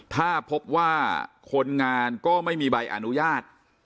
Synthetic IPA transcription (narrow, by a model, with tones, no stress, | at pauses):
t̪ʰaː˥˩pʰo˦˥p̚waː˥˩kʰo˧nŋaː˧nkɔː˥˩ma˥˩jmiː˧ba˧jʔa̰˧nu˦˥jaː˥˩t̪̚